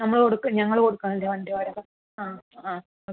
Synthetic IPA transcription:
nɐmːɐɭkoɽukːɨɲɐŋːɐɭkoɽukːaːŋildeʋɐndɐʋaːɾɐɣɐ | aːaː

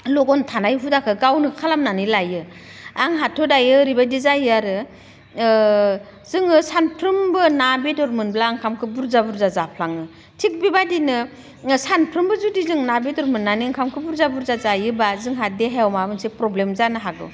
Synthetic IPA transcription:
lɔɡɔntʰanajɦudakʰɯɡawnɯkʰalamnanɯlajɯ | aŋɦatʰɔdajɯːɾibadizajɯaɾɯ | zɯŋɯsanpʰɾɯmbɯnabetɔɾmɯnblaːŋkʰamkʰɯbuɾzabuɾzazapʰlaŋɯ | tʰik̚bibadinɯ | sanpʰɾɯmbɯzudizɯŋnabetɔɾmɯnːaniaŋkʰamkʰɯbuɾzabuɾzazajɯbazɯŋɦadeɦajɔwmabɯnsepɾɔblemzanɯɦaɡɯ̰w

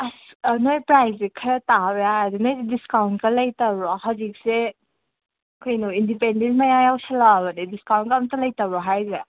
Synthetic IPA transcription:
asnojpɾajzikʰaɾataɾeaadunojdiskawntkalajtabɔɦazik̚se | kʰojnuindipendentmajajawsalaːβɐnidiskawnkaːmtalɐjtabɔɦajza

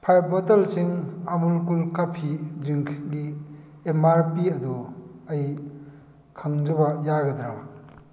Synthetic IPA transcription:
pʰajbɔtɐlsiŋamulkulkapʰidɾiŋkʰɡi | emaɾpiɐduɐj | kʰaŋzɐbɐjaɡɐdɾama

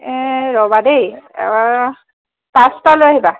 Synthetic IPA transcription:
ɹɔbadej̰ | pastaloaɦiba

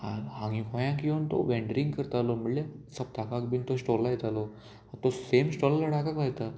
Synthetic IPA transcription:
a̰ãŋĩkojãkiʋənt̪o̰ʋɛ̃ɳɖɾĩŋɡkəɾt̪aloməɽljasəp̚ʈakakbint̪osʈoɾlajet̪alo | at̪osemsʈolalaʈakakʋajt̪a

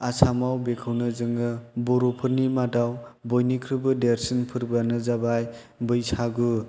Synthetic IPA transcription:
asʰamawbekʰɯwnɯzɯŋɯbɔɾopʰɯɾnimadawbɔjnikʰɾɯbɯdeɾsinpʰɯɾbanɯzabaj | bɯjsʰaɡu

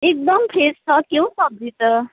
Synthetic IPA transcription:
ek̚d̪ʌmpʰest͡sʰʌkjẽsʌb̚d͡zʱit̪ʌ

